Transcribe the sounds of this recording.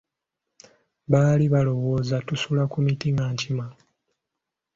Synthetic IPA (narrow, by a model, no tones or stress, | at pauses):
βaːliβalo̞wo̞ːzatusulakumitiŋɡaːɲcima